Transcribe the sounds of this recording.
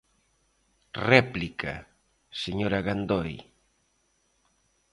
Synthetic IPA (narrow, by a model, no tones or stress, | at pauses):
rɛplika̰ | seɲoɾaɣand̪oj